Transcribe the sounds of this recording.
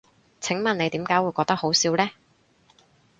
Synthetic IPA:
t͡sʰɪ˨˥ŋmɐ˨ne˨˧t̪iː˨˥mkaː˨˥jwuː˨˧jkɔː˧k̚t̪ɐ˥k̚ho˨˥wsiː˨˥wlɛː˥

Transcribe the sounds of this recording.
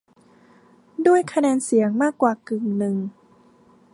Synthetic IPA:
du˥˩əjkʰa˧nɛː˧nsi˩˦əŋmaː˥˩kːwaː˨˩kɯ˨˩ŋnɯ˨˩ŋ

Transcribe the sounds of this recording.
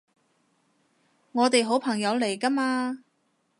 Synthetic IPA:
ŋɔː˨˧t̪e˨jɦo˨˥wpʰɐ˨˩ŋjɐ˨˧wle˨˩jkɐ˥maː˧

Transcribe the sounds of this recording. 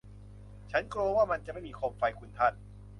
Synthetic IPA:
t͡ɕʰa˦˥nkloː˧waː˥˩ma˧nt͡ɕa˨ʔma˥˩jmiː˧kʰo˧mfa˧jkʰu˧nt̪ʰa˦˥˩t̪̚

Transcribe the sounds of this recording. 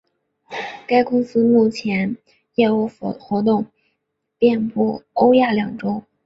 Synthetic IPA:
ka˥ɪkʊ˥ŋsɹ̩˥mu˥˩t͡ɕʰjɛ˧˥n | jɛ˥˧u˥˩˧xwɔ˧˥t̪̬ʊ˥˩ŋ | pjɛ˥˧npu˥˩o˥ʊja˥˩ljɑ˨˩ŋʈ͡ʂo˥ʊ

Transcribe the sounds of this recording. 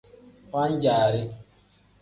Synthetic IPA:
wʷa˦ɲ̩˦d͡ʒaː˨ɾɪ˦

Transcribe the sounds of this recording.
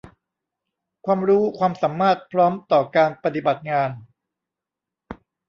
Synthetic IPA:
kʰwaː˧mɾuː˦˥kʰwaː˧msa˩˦mːaː˥˩t̪̚pʰɾɔː˦˥mt̪ɔː˨˩kaː˧npa˧t̪i˨˩ba˨˩t̪̚ŋaː˧n

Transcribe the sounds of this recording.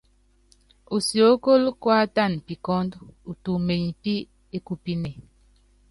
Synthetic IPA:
u˨sjo˨˦ko˦lkwa˦ta˦˨npi˨kɔ˦ndu˨tu˨me˨ɲ˨pi˦ | e˦ku˦pi˦ne˨

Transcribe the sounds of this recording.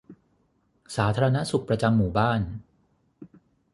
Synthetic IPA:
saː˩˦t̪ʰaː˧ɾa˧na˦˥su˨˩k̚pɾa˧t͡ɕa˧mːuː˨˩baː˥˩n

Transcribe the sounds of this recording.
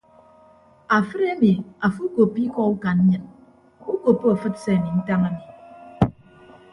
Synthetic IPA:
a˨fɨ˦ɾe˦mi˨a˨fu˦ko˨pːi˦kɔ˦u˦ka˨n̩˦ɲɨ˦n | u˦ko˨pːo˦a˨fɨ˦tse˦a˨mi˨n̩˦ta˦ŋa˦mi˨

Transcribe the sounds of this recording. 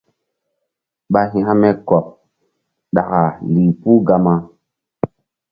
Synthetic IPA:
ɓa˦ɦi˦ha˦mɛ˦kɔ˨p̚ | ɗa̰˨ka˨li˨pu˦ɡa˦ma˦

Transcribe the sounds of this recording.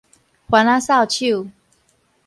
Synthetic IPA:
xwa˨˦na˦sa˥˨ʊt͡ɕʰu˥˨

